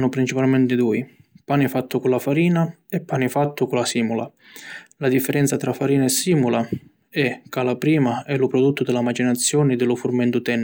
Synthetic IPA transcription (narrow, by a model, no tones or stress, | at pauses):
nʊpɾint͡ʃipalmɛnt̪ɪd̪uːi | paːnifat̪ːʊkʊlːafaɾiːna | ɛpːaːnifat̪ːʊkʊlasiːmula̰ | lad̪ifːɛɾɛnt̪sat̪ɾafaɾiːnaɛsːiːmula | ɛkːalapɾiːmaɛlʊpɾɔd̪ut̪ːʊd̪ɪlamat͡ʃinat̪sːjɔːnɪd̪ɪlʊfʊrmɛnt̪ʊt̪ɛnː